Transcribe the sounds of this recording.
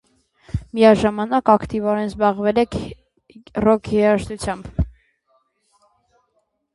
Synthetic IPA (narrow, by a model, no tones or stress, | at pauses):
miɑʒɑmɑnɑkɑkt̪ivɔɾɛnzbɑʁvɛlɛkʰ | rɔkʰiɑʃt̪ut͡sʰjɑmb